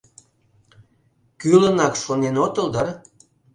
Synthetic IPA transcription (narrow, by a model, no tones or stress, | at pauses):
kylənɑkʃonenot̪ə̆ld̪ɑr